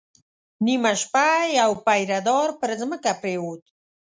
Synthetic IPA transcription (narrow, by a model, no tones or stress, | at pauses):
nimaʃpajawpajɾad̪ɔɾpəɾəzməkapɾeut̪